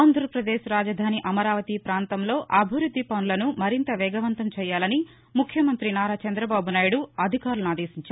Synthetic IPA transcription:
aːnd̪ʱɾɐpɾɐd̪eːʃɾaːd͡ʒɐd̪ʱaːniʔɐmɐɾaːʋɐt̪ipɾaːnt̪ɐmlo̞ːʔɐbʱiʋɾud̪ʱːipɐnulɐnumɐɾint̪ɐʋɛːɡɐʋɐnt̪ɐmt͡ʃɛːjaːlɐni | mukʰjɐmɐnt̪ɾinaːɾaːt͡ʃɐnd̪ɾɐbaːbunaːjuɽuɐd̪ʱikaːɾulunaːd̪eːʃiɲt͡ʃa

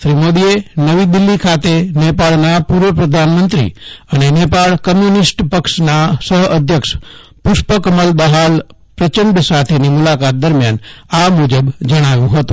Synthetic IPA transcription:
tɾimod̪ienəʋid̪ɪlːikʰat̪enepaɭnəjapuɾʋəpɾəd̪ʱanmənt̪ɾḭənenepaɭkəmjunisʈpəkʃnasəɦəd̪ʱjəkʃ | pʊʃpəkəməld̪əɦal | pɾət͡ʃənd̪əsat̪ʰenimulakat̪̚d̪əɾmjanamud͡ʒəbd͡ʒəɽ̃aʋjũɦət̪ũ

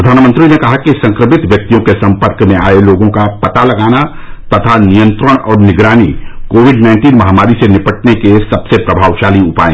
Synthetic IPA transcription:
pɾəd̪ʱaːnmə̃nt̪ɾinekɐɦakisɐ̃ŋkɾəmɪt̪ʋjɐk̚t̪ijõkesɐ̃mpəɾkmẽaːeloːɡõkapɐt̪alɐɡaːna | t̪ɐt̪ʰanijə̃nt̪ɾəɽ̃ɔːɾnɪɡɾaːnikoːwɪɖnãɪ̃ɳʈiːnmɐɦamaːɾisenɪpəʈnekesɐbsepɾəbʱaːʋʃaːliʊpaːẽ

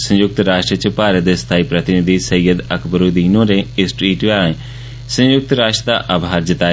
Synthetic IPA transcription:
sə̃jʊk̚t̪ɾaːʃʈɾət͡ʃəpaːɾət̪̚d̪est̪ʰaːiːpɾət̪ɪnɪd̪iːsəjːəd̪əkʰbəɾuːd̪iːnõːɾeːɪsʈɾiːʈʋaːẽ | sə̃jʊk̚t̪ɾaːʃʈɾəd̪a̰ːʔaːbʱaːɾd͡ʒɪt̪aː

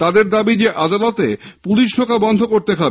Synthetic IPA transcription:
t̪ad̪eɾd̪abid͡ʑeʔad̪alɔt̪epuliʃɖʰʱokabɔnd̪ʱokoɾt̪ekʰabe

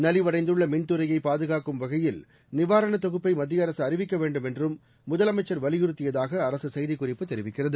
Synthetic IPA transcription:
nɐlɪʋɐɽɐɪnd̪ɯɭːɐmɪnt̪ɯɾɐjɐɪpaːðɯɣaːkɯmʋɐɣɐjɪl | nɪʋaːɾɐɳɐt̪ːɔɣɯpːɐɪmɐd̪ːɪjɐɾɐsɯɐrɪʋɪkːɐʋeːɳɖɯmɛndrɯmː | ʊðɐlɐmɐɪt͡ʃːɐɾʋɐlɪjɪɾɯt̪ːɪjɐðaːɣɐːɾɐsɯsɐjðɪkːʊrɪpːɯt̪ːɛɾɪʋɪkːɪrɐðɯ

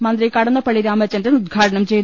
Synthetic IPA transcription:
mɐnd̪rikɐɽɐnːɐpɐɭiɾaːmɐt͡ɕːɐndenud̪̚ɡʱaːʈɐɳɐmt͡ɕe̞j̪

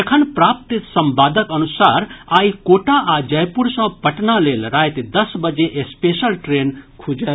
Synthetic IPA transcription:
ekʰənpɾaːp̚t̪isɐmbaːd̪əkɐnusaːɾaːikoːʈaʔad͡ʒɐjpuɾsə̃pəʈnaleːlɾaːjt̪d̪əsbəd͡ʒeʔespeːʃəlʈɾeːnkʰud͡ʒe

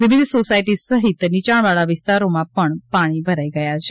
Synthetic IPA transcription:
ʋɪʋɪd̪sosajʈisəɦit̪nit͡ɕaɳ̃ʋaɭaʋɪst̪aɾomapəɳpaɽ̃ibʱəɾajɡəjat͡ʃʰe̥

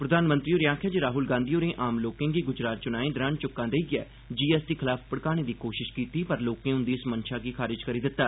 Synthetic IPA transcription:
pɾəd̪aːnmə̃nt̪ɾiːoːɾɪjãːkʰaːd͡ʒiɾaːɦʊlɡãːnd̪ijoːnẽːʔaːmloːkẽːɡiːɡʊd͡ʒɾaːt̪̚t͡ʃʊnaːẽːd̪ɾənt͡ʃʊkːãːd̪eːiɡɪɛ̰ː | d͡ʒiːɛːst̪iːkʰɪlaːppəɽkaːɽ̃eːd̪ikoːʃɪʃkiːt̪iːpəɾloːkẽːʊ̃nd̪iːsmənʃʰaːɡiːkʰaːɾɪd͡ʒkəɾiːd̪ɪt̪ːaː

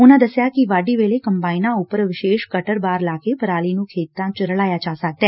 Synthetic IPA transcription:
ʊnãːd̪əsjaːkɪʋaːɖiːʋeːleːkəmpaːinãːʊpəɾʋɪʃeːʃkəʈəɾbaːɾlaːkepəɾaːliːnũːkʰeːt̪ːãːt͡ʃɾəɭaːjaːt͡ʃaːsək̚d̪ɛː

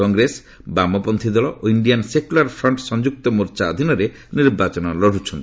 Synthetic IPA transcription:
ɔŋɡɾes | bamɔpɔnt̪ʰid̪ɔlɔʔoiɳɖijansekulaɾpʰɾɔɳʈsɔnd͡ʒuk̚t̪ɔmuɾt͡ʃaɔd̪ʱinɔɾe | niɾbat͡ʃɔnɔlɔɽ̤ʱut͡ʃʰɔnt̪i̥

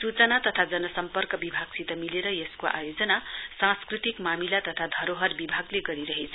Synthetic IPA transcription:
sut͡sʌnat̪ʌt̪ʰad͡zʌnʌsʌmpʌrkʌbibʱaɡsit̪ʌmileɾʌjeskoʔa̰jod͡zʌnasãskrit̪ikmamilat̪ʌt̪ʰad̪ʱʌɾoɦʌrbibʱaɡleɡʌɾiɾʌɦet͡sʰʌ̥

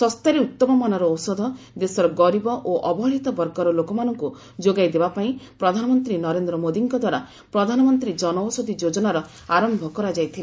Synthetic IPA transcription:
sɔst̪aɾeut̪ːɔmɔmanɔɾɔːwsɔd̪ʱɔ | d̪esɔɾɔɡɔɾibɔʔoʔɔbɔɦɔɭit̪ɔbɔɾɡɔɾɔlokɔmanɔŋku | d͡ʒoɡajd̪ebapaĩpɾɔd̪ʱanɔmɔnt̪ɾinɔɾend̪ɾɔmod̪iŋkɔd̪waɾa | pɾɔd̪ʱanɔmɔnt̪ɾid͡ʒɔnɔwsod̪ʱid͡ʒod͡ʒɔnaɾɔ | aɾɔmbʱɔkɔɾad͡ʒajt̪ʰile

